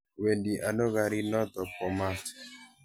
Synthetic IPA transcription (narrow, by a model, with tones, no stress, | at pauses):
we˨ndi˨ʔa˨no˦ɣa˨ɾi˦nɔ˦t̪ɔ˨pɔ˨ma˦